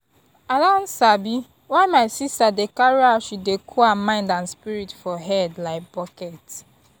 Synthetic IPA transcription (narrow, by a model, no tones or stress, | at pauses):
adãn̩sabi | waɪmaɪsistadekaɹiaʃudekʰuamãɪ̃ndãnspiɹitfɔɦɛdlaɪk̚bɔkɛt